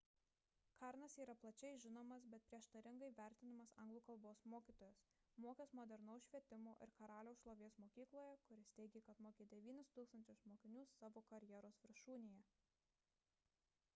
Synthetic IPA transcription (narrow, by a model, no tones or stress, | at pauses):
kɑɾnɐsiːɾɐplˠɐt͡ʃʲɛɪʒʲɪnoːmɐs̬bʲɛt̪̚pʲɾʲiɛʃt̪ɐɾʲɪŋɡɐɪʋʲæˑɾʲt̪ʲɪnʲɪmɐsɐŋɡlˠuːkɐlˠboːsmoːkʲiːˑt̪oːjɛsmoːkʲesmoːd̪ʲɛɾnɐʊʃʲʋʲiɛt̪ʲɪmoːʔɪ̰ɾkɐɾɑːlʲoːʊʃlˠoːʋʲeːsmoːkʲiːklˠoːjɛkʊɾʲɪsʲt̪ʲɛɪɡʲekɐt̪moːkʲeːd̪ʲɛʋʲiːnʲʊst̪uːksɐnʲt͡ʃʲʊsmoːkʲɪnʲuːsːɑːʋoːkɐɾʲjɛɾoːsʋʲɪɾʃuːnʲejɛ